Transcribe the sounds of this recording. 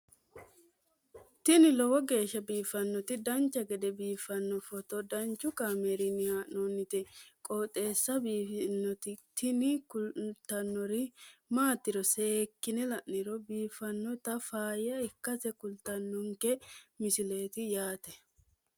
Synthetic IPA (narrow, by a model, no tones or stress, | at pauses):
t̪ɪnɪlɔwɔɡe̞ːʃːɐbiːfɐnːɔt̪ɪd̪ɐnt͡ʃːɐɡɛd̪ɛbiːfɐnːɔfɔt̪ɔd̪ɐnt͡ʃːʊkaːmeɾɪnɪhaːʔnonːɪt̪ɛkʼɔːt̪ʼe̞ːsːɐbiːnːɔt̪ɪt̪ɪnɪkʊlt̪ɐnːɔɾɪmaːt̪ːɪɾɔseːkːɪnɛlɐʔnɪɾɔbiːfɐnːɔt̪ɐfaːjɐɪkːɐtɛkʊlt̪ɐnːʊŋkɛmɪsɪle̞ːt̪ɪjaːt̪ɛ